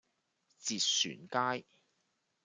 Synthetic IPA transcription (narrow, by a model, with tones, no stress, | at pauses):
t͡siː˨t̚sy̰ː˨˩nkaː˥j